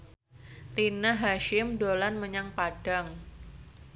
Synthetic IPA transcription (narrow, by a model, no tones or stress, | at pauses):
t̪inaɦaʃɪmdolanməɲaŋpad̥aŋ